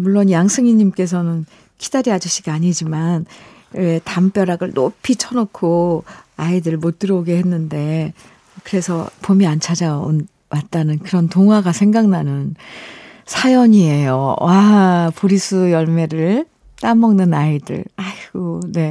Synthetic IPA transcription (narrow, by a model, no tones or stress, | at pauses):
muɭːonjaŋsʰɯŋiɲimk͈e̞s̬ʰʌnɯn | kidaɾiad͡ʑuɕʰiɡaɲid͡ʑiman | etamp͈jʌɾaɡɯɭnopʰit͡ɕʰʌnokʰoaidɯɭmot͈ɯɾʌoɡehe̞nːɯnde̞ | kɯɾe̞sʰʌ̰pomiant͡ɕʰad͡ʑao̰n | wat͈̚anɯnkɯɾʌntoŋɦwaɡasʰeŋɡaŋnanɯn | sʰajʌɲie̞jo̰wapoɾisʰujʌɭme̞ɾɯɭ | t͈amʌŋnɯnaidɯ̰ɭaiɡone̞